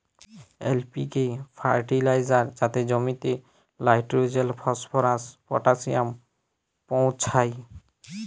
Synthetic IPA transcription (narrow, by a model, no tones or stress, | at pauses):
ḛlpikepʰa̰ɾʈilajzaɾd͡ʑat̪ed͡ʑɔmit̪e | lajʈɾod͡ʑelpʰɔspʰɔɾaspɔ̰ʈasiam | pow̃t͡ɕʰaj